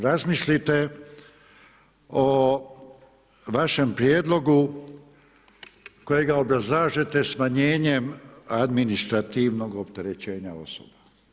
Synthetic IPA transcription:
ɾazmislit̪e̞ | o | ʋaʃe̞mpɾjed̪lˠo̞ɡu | ko̞jeɡao̞bɾazlaːʒe̞t̪e̞smaɲe̞ːɲe̞mad̪minist̪ɾat̪iʋno̞ɡo̞pt̪e̞ɾe̞t͡ɕe̞ːɲao̞̰so̰ba

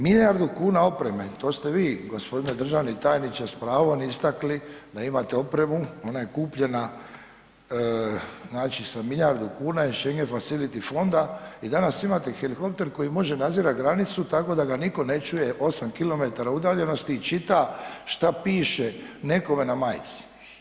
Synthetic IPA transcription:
miʎaɾd̪ukuːnao̞pɾe̞me̞t̪o̞ːst̪e̞ʋiːɡo̞spo̞d̪ined̪r̩ʒaːʋnit̪aːjnit͡ʃ̪aspɾaːʋonist̪aklid̪aimat̪eo̞pɾe̞muo̞naje̞kuːpʎe̞na | znaːt͡ʃisamiʎaɾd̪ukuːnaiʃe̞ŋɡefasilit̪ifo̞nd̪aid̪anasimat̪e̞xelixo̞p̚t̪e̞ɾko̞jimo̞ʒenad̪ziːɾatɡɾanit̪sut̪ako̞d̪aɡaniko̞ne̞t͡ʃuje̞ʔo̞samkilo̞me̞t̪aɾaud̪aːʎe̞no̞st̪iːt͡ʃit̪aʃt̪apiːʃe̞ne̞ko̞me̞namajt̪si̥

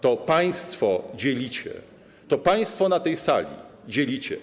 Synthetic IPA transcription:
t̪ɔpaj̃st̪fɔd͡ʑelʲit͡ɕɛ̰ | t̪ɔpaj̃st̪fɔnat̪ɛjsa̰lʲḭd͡ʑelʲit͡ɕɛ̰

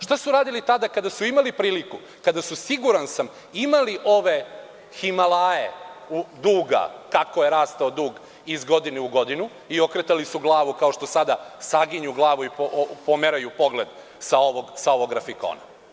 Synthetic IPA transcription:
ʃt̪asuɾaːd̪ilit̪ad̪akad̪asuimalipɾiːliku | kad̪asusiɡuɾansam | imaliʔo̞ʋe̞ | ximalaːjḛud̪uːɡa̰kako̞je̞ɾaːst̪aod̪uːɡ | izɡo̞d̪ineuɡo̞d̪inu | io̞kɾet̪alisuɡlˠaːʋukao̞ʃt̪o̞sad̪asaɡiɲuɡlˠaːʋuipopomeɾajupo̞ɡle̞d̪ | saoʋoɡsao̞ʋo̞ɡːɾafiko̰ːna̰

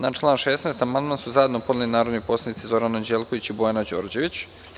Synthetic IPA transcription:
naʈ͡ʂlˠaːnʃesnejst̪amanmansuzaje̞d̪nopo̞d̪lilinaːɾod̪nojposlad̪nit̪sizo̞ɾanand͡ʑelko̞ʋit͡ɕibojanad͡ʑo̞̰ːɾd͡ʑe̞ʋit͡ɕ

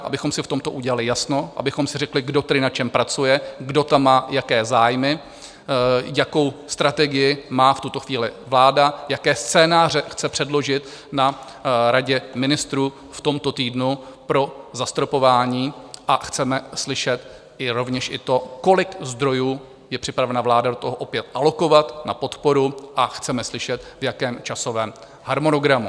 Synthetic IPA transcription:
ʔa̰bɪxo̞msɪft̪o̞mt̪o̞ʔuɟɛlalɪjasno̞ʔa̰bɪxo̞msɪrɛklɪɡdo̞t̪ɛdɪnat͡ʃɛmpɾat͡sujɛɡdo̞t̪amːaːjakɛːzaːjmɪ | jako̞wst̪ɾat̪ɛɡɪjɪmaːft̪ut̪o̞xviːlɪvlaːdajakɛːst͡sɛːnaːr̝ɛxt͡sɛpr̥ɛdlo̞ʒɪt̪ | na | ɾaɟɛmɪnɪst̪ɾuː | ft̪o̞mt̪o̞t̪iːdnupɾo̞zast̪ɾo̞po̞vaːɲiːʔaxt͡sɛmɛslɪʃɛt̪ | ʔɪɾo̞vɲɛʃʔɪt̪o̞ko̞lɪkzd̪ɾo̞juː | jɛpr̝̥ɪpɾavɛnavlaːdadot̪o̞ɦoʔo̞pjɛt̪ʔalo̞ko̞vat̪napo̞t̪po̞ɾuʔaxt͡sɛmɛslɪʃɛt̪vjakɛːmt͡ʃaso̞vɛːm | haɾmo̞no̞ɡɾamu

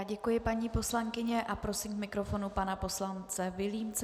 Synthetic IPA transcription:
ɟɛkujɪpaɲiːpo̞slaŋkɪɲɛʔapɾo̞simkmɪkɾo̞fo̞nupanapo̞slant͡sɛvɪliːmt͡s

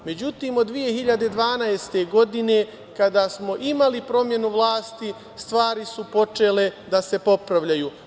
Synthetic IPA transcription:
me̞d͡ʑut̪iːmod̪ːʋije̞ɦiʎad̪e̞d̪ʋaːnaest̪e̞ɡo̞d̪ine̞ | kad̪asmo̞ʔimalipɾo̞mje̞nuʋlˠaːst̪i | st̪ʋaːɾisupo̞t͡ʃe̞ːle̞d̪ase̞po̞pɾaʋʎajuː

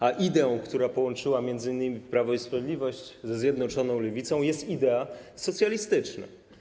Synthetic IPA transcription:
aʔid̪ɛɔ̃w̃kt̪uɾapɔwɔnt͡ʂɘwamʲjɛnd̪zɘinːɘmʲipɾavɔispɾavʲed̪lʲivɔɕt͡ɕzɛzʲjɛd̪nɔt͡ʂɔnɔ̃w̃lɛvʲit̪sɔ̃w̃jɛst̪id̪ɛasɔt̪sʲjalʲist̪ɘt͡ʂna̰

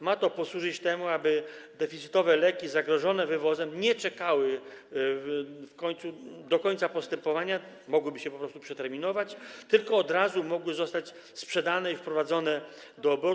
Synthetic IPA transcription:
mat̪ɔpɔswuʐɘt͡ɕt̪ɛmuabɘd̪ɛfʲit̪sɘ̥t̪ɔvɛlɛkʲizaɡɾɔʐɔnɛvɘvɔzɛmɲɛt͡ʂɛkawɘ | fkɔɲt̪sud̪ɔkɔɲt̪sapɔst̪ɛmpɔvaɲa | mɔɡwɘbɘɕɛpɔpɾɔst̪upʂɛt̪ɛɾmʲinɔvat͡ɕt̪ɘlkɔːd̪ɾazumɔɡwɘzɔst̪at͡ɕ | spʂɛd̪anɛifpɾɔvad̪zɔnɛ | d̪ɔːbɔ

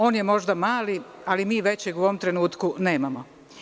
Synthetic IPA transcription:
o̞ːnjemo̞ʒd̪amaːli | alimiːʋe̞t͡ɕeɡuoʋomt̪ɾe̞nuːt̪kune̞ːmamo

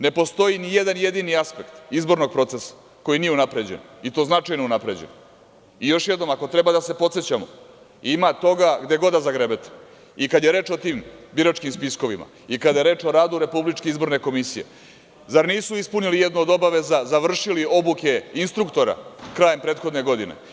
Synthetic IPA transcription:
ne̞po̞st̪o̞inije̞d̪anje̞d̪iniaspe̞kt̪izbo̞ɾno̞ɡ̚pɾo̞t̪sesḁ | ko̞jinijeunapɾe̞d͡ʑḛnit̪o̞ːznat͡ʃajnounapɾe̞d͡ʑḛno | ijo̞ʃjed̪nomako̞t̪ɾe̞bad̪ase̞po̞t̪se̞t͡ɕamo | imat̪o̞ɡaɡd̪e̞ɡo̞d̪azaɡɾebet̪ | ikad̪jeɾe̞ːt͡ʃo̞t̪iːmbiɾat͡ʃkimspisko̞ʋima̰ | ikad̪jeɾe̞ːt͡ʃo̞ɾaːd̪uɾe̞publit͡ʃkeizbo̞ɾne̞ko̞misije̞̰ | zaɾniːsuispunilijed̪nuod̪o̞baʋe̞zazaʋr̩ʃilio̞buke̞inst̪ɾukt̪o̞ɾa̰kɾaːjempɾet̪xo̞d̪ne̞ɡo̞d̪inḛ

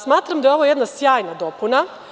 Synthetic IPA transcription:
smaːt̪ɾamd̪ajo̞ʋoje̞d̪nasjaːjnad̪o̞puna

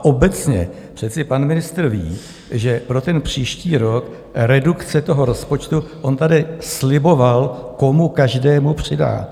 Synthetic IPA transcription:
ʔo̞bɛt͡sɲɛ̰ | pr̝̥ɛt̪t͡sɪpanmɪnɪst̪r̩vḭː | ʒɛpɾo̞t̪ɛnpr̝̥iːʃciːɾo̞k | ɾɛdukt͡sɛt̪o̞ɦo̞ɾo̞spo̞t͡ʃt̪uʔo̞nt̪adɪslɪbovalko̞mukaʒdɛːmupr̝̥ɪda̰ː

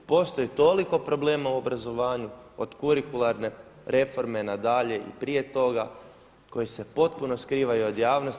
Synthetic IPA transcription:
po̞st̪o̞jit̪o̞liko̞pɾo̞ble̞ːmauo̞bɾazo̞ʋaːɲuod̪kuɾikulˠaɾne̞ | ɾe̞fo̞ɾme̞nad̪aʎe̞ʔḭpɾije̞t̪o̞ɡa | ko̞jise̞po̞t̪̚puno̞skɾiːʋajuod̪jaːʋnos

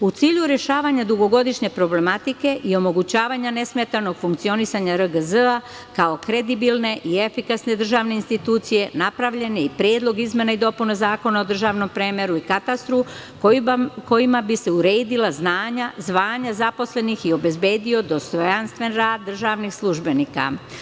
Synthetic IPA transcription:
ut̪siːʎuɾe̞ʃaːʋaɲad̪uɡo̞ɡo̞d̪iʃɲe̞pɾo̞ble̞mat̪ike̞ʔio̞mo̞ɡut͡ɕaːʋaɲane̞sme̞t̪ano̞ɡ̥fuŋk̚t̪io̞nisaɲaɾəɡəzəa | kao̞kɾe̞d̪ibilne̞ʔie̞fikasne̞d̪r̩ʒaːʋne̞inst̪it̪uːt̪sije̞napɾaʋʎe̞neipɾje̞ːd̪lˠo̞ɡizmʲe̞naid̪o̞punezaːko̞nao̞d̪r̩ʒaːʋno̞mpɾemeɾuikat̪ast̪ɾu | ko̞jimabise̞uɾe̞ːd̪ilaznaːɲazʋaːɲazapo̞sle̞nixio̞be̞zbe̞ːd̪io̞d̪o̞st̪ojanst̪ʋe̞nɾaːd̪ːr̩ʒaʋnixslˠuʒbe̞nika̰

